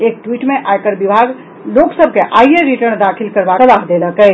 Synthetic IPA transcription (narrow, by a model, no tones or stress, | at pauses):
ek̚ʈwiʈmeʔajkəɾbibʱaɡ | loksəb̚ʱkeʔajjeɾiʈəɾnd̪akʰilkəɾbasəlaɦd̪eləkə